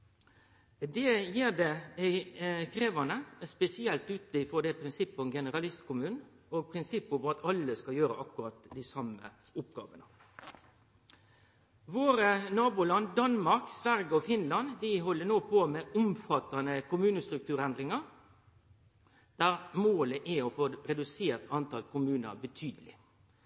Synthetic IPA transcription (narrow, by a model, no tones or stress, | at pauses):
d̪ɛjiːɾd̪ɛ | kʰɾeːʋɑnəspɛsɪɛlt̪ʉːt̪d̪ɪfɔd̪ɛpʰɾɪnsɪpːɔɡɛnəʁɑlɪst̪kʰʊmʉːn | ɔɡpʰɾɪnsɪpːɔʋɔɑt̪ʰɑlːəskɑjøːɾə̰ʔɑkʉɾɑt̪d̪ɪsɑmə̰ | ʊpɡɑ̰ːʋənə | ʋoːɾənɑːbulɑnd̪ɑnmɑɾksʋæʁɡəɔfɪnlɑnd̪ɪɦɔlːənoːpʰoːmɛʔʊmfɑt̪ːɑnəkʊmʉːnəst̪ɾʉk̚t̪ʰʉːɾɛnd̪ɾɪŋɑɾ | d̪̥æːɾmoːləʔæɔfoːɾɛd̪ʉseːɾt̪ɑnt̪ʰɑlkʊmʉːnə̰bət̪ʰyːd̪əlɪ̰